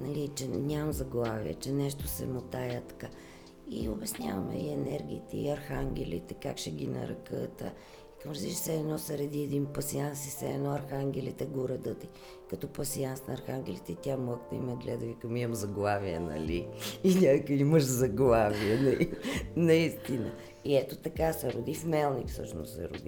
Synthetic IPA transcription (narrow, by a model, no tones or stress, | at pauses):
nɐlit͡ʃɛnʲammzɐɡlˠavḭjɛ̰t͡ʃɛnɛʃt̪osɛ̰mot̪ajət̪ɐ̥ka | ḭobɛsnʲa̰və̰mɛ̰iɛnɛɾɡ̟ʲḭːt̪ɛ̰ḭɐɾxaŋɡʲɛlḭt̪ɛka̰kʃɛɡʲinɐ̰ɾɐ̰kət̪ə̰ | ikəmɾəziʃsɛːnɔsəɾɛd̪iɛd̪inpɐsiansisɛɛnɔɐɾxaŋɡʲɛlit̪ɛɡoɾɐd̪ət̪i | kɐt̪ɔpɐsiansnɐːɾxaŋɡʲɛlit̪ɛit̪ʲaməkt̪əḭmɛɡlʲɛ̰d̪əvikəmiəmzɐɡlˠaviɛnɐ̰liːnʲakkiməʃzɐɡlˠaviɛnɐnɐist̪inə | iɛt̪ot̪ɐkasɛɾʊd̪ifmɛlˠnikfsɤ̰ʃnʊ̰ssɛ̰ɾʊ̰d̪i